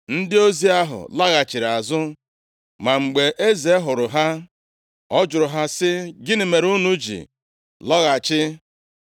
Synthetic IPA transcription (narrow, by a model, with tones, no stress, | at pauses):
n̩˦dɪ˦o˦zi˦a˦ɦʊ̰˨la˦ɣa˨t͡ʃɪ˨ɾa˨zʊ˦ | ma˨ŋ͡m̩˨ɡ͡be˨ʔe˦ze˨˦ɦʊ˨ɾʊ˨ɦa˦ | ɔ˦d͡ʒʊ˨ɾʊ˨ɦa˦sɪ˦ɡɪ˦nɪ˨me˨ɾu˦nu˦d͡ʒḭ˨ | lɔ˦ɣa˨t͡ʃɪ˦